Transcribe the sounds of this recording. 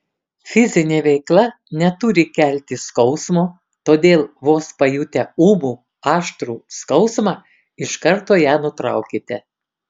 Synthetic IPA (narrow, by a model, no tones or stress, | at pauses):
fʲɪzʲɪnʲeːʋʲɛɪklˠɐ | nʲɛt̪ʊɾʲɪkʲæˑlʲt̪ʲɪskɒʊsmoː | t̪oːd̪ʲeːlˠʋoːspɐjut̪ʲɛuːbuː | ɑːʃt̪ɾuːskɒʊsmɑː | ɪʃkɐɾt̪oːjæːnʊt̪ɾɑ̰ˑʊkʲɪt̪ʲɛ